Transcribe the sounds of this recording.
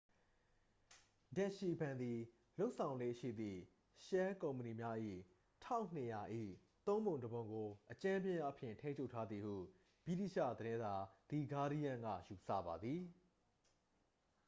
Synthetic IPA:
dã˨ʃi˨bã˨nd̪i˨ | lo˦ʊʔsʰã˨ʊ̃nle˦˨ʃḭ˦˨d̪ðḭ˦˨ | ʃɛ˦kõ˨ʊ̃mpəni˨mja˦ʔḭ˦˨ | tʰã̰˦˨ʊ̃n̥ə˨ja˨ʔḭ˦˨ | t̪õ˦ʊ̃mbõ˨ʊ̃dəbõ˨ʊ̃ŋɡo˨ʔət͡ɕã˦bjɪ̃˦ja̰˦pʰjɪ̰̃˨ntʰẽ˦ɲt͡ɕʰo˦ʊtʰa˦d̪ði˨hṵ˦˨ | pḭ˦˨dḭ˦˨ʃä̰˦˨d̪əɾɪ̃˦nza˨d̪̥i˨ɡa˦ɾi˦jã˦ŋɡä̰˦˨ju˨sä̰˦˨ba˨d̪ði˨

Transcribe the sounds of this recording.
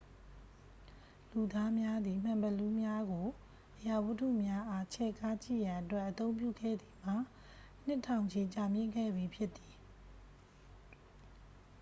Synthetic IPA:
lu˨d̪a˦mja˦d̪ði˨m̥ã˨mbə˨lu˦mja˦ɡo˨ | ʔəja˨wu˦tʰṵ˦˨mja˦ʔa˦t͡ɕʰɛ˦˨kʰa˦t͡ɕḭ˦˨jã˨ʔətwɛ˦ʔːət̪õ˦ʊ̃mp̬jṵ˦˨ɡɛ̰˦˨d̪ði˨m̥a˦˨ | n̥ɪ˦tʰã˨ʊ̃ɲd͡ʑe˨t͡ɕa˨mjɪ̰̃˦˨ŋɡɛ̰˦˨bji˨pʰjɪ˦ʔt̪i̥˨

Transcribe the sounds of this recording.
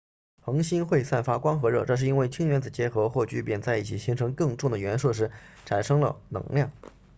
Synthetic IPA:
xɤ˧˥ŋɕi˥nxwe˥˧ɪsa˥˩nfa˥kwɑ˥ŋxɤ˧˥ɻɤ˥˧ʈ͡ʂɤ˥˧ʂ̬̩˥˩˧i˥nwe˥˩ɪt͡ɕʰi˥ŋɥɛ˧˥nt͡sɹ̩˨˩t͡ɕjɛ˧˥xɤ˧˥xwɔ˥˩t͡ɕy˥˩pjɛ˥˩nt͡sa˥˧ɪi˥˩t͡ɕʰi˨˩ɕi˧˥ŋʈ͡ʂʰɤ˧˥ŋkɤ˥˧ŋʈ͡ʂʊ˥˩ŋd̪ə˩ɥɛ˧˥nʂ̩˥˩ʂ̬ɻ̩˧˥ | ʈ͡ʂʰa˨˩nʂɤ˥ŋlə̰˧˨nɤ̰˧˥ŋljɑ˥˩ŋ

